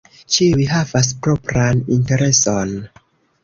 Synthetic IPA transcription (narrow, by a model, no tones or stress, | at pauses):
t͡ʃiuijɦavas̬pɾopɾaninteɾe̞son